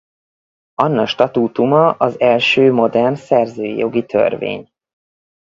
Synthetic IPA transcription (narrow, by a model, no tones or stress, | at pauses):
ɒnːɒʃt̪ɒt̪uːt̪umɒʔɒzɛlʃøːmo̞d̪ɛrnsɛrzøːḭjo̞ɡit̪ʰø̰rvḛːɲ